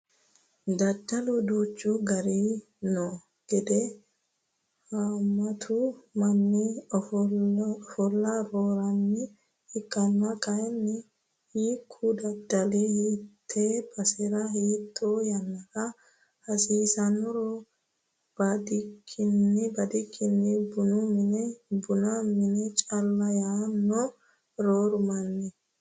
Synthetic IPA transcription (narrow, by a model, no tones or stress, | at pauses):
d̪ɐd̪ɐlud̪uːt͡ʃːuːɡɐɾiː | nɔ | ɡ̥ɛd̪ɛ | hamɐt̪ʰuːmɐnːi | fɔlːaɾoːɾɐnːɪ | hɪkːɐnːakʼɐjɛnːɪ | hiːkʰːuːd̪ɐd̪ːɐliːhiːtt̪ʰːebɐsɛɾɐhiːt̪ʼːoːjɐnːɐkɐ | hɐsiːsɐnɔɾo | b̥ɐd̪ɪkʰːɪnːɪbɐd̪ɪkʰːɪnːɪbʊnʊmɪnɛbʊnɐmɪnɛt͡ʃʼɐlːɐjaːnːɔ | ɾoːɾʊmɐnːɛ